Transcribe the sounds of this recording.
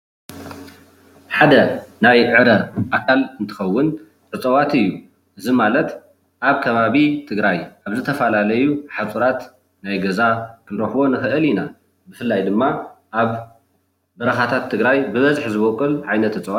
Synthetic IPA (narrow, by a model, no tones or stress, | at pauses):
ħad̪ɐnajʕɨɾɐʔakʰːalɨnt̪ʰɨ̥xɐwːʊn | ʔɨt͡sʼɐwat̪ɨjːu | ʔɨzimalɐt̪ | ʔaβkʰɐβaβit̪ʰɨɡɾajʔaβzɨt̪ʰɐfɐlalɐjuħat͡sʼuɾat̪ | najɡɐzakʰɨnɾɐxbo̞nɨxɨʔɨlina | bɨfɨlːajd̪ɨmːaʔaβ | bɐɾɐxat̪ʰat̪ʰːɨɡɾajbɨβɐzħzɨβokʼːɨlʕajnɐt̪ɨt͡sʼɐwa